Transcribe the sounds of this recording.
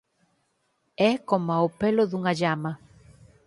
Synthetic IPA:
ɛkomaopelʊðuŋaʎama

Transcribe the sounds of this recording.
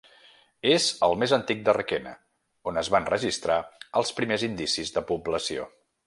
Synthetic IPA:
ezəlˠmezənt̪ik̚d̪ərəkɛnə̰ | onəzβanrəʒist̪ɾaəlˠspɾimezind̪isizðəpubləsio̰

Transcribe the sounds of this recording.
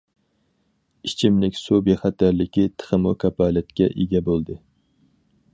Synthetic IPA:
it͡ʃʰimlɪkʲsubeχæt̪ʰæɾlɪkʲit̪ʰə̥χəmukʲʰɛpɑːlɛt̪kʲɛʔeɡʲɛbolˠd̪ɨ

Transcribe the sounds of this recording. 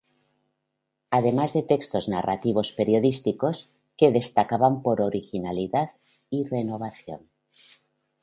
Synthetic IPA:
að̞emazðe̞t̪ekst̪o̞zna̰ra̰t̪iβ̞ospe̞ɾjoðist̪ikos | keðe̞st̪akaβampoɾoɾixinaliðað | irenoβ̞aθjo̰n

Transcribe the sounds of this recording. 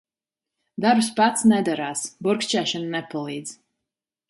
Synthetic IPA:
d̪aɾbspat̪snɛd̪aɾaːsbuɾkst͡ʃɛːʃannɛpalˠiːd̪z̥

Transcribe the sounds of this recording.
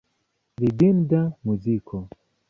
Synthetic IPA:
lidind̪amuzikʰɔ

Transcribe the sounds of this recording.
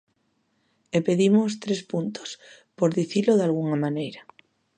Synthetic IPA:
epeðimost̪ɾespunt̪o̥s | poɾðiθiloðalɣ̞uŋamãnejɾa

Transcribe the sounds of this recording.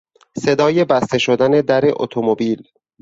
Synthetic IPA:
se̞d̪ɒːje̞bæst̪eʃo̞d̪æne̞d̪æɾeʔo̰t̪ʰomobiːl

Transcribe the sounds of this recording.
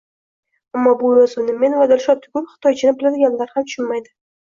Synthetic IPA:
amːɒbʊɾɒzʊnɪme̞nvad̪ɪlʃɒp̚t̪ʰɪkʲʰʊpχɪ̥t̪ʰɒjt͡ʃʰɪnɪbɪlad̪ɪɡʲanlaɾhamt̪ʊ̥ʃʊnmajd̪ɪ

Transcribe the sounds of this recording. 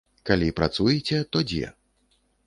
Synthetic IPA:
kalʲipɾat̪sujɛt͡sʲɛt̪ɔd͡zʲɛ̰

